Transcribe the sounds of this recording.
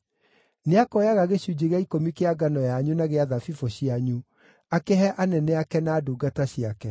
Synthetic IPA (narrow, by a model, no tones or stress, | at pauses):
neakɔjaɣaɣeɕud͡ʑeɣaikomikeaɡanɔjaɲunaɣeaðafifoɕiaɲu | akeɦɛʔanɛnɛakɛnaːduːɡataɕiakɛ